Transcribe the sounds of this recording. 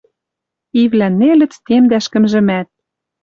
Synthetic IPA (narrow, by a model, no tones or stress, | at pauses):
ivlænːelɘ̆t͡st̪emd̪æʃkɘ̆mʒɘ̆mæt̪̚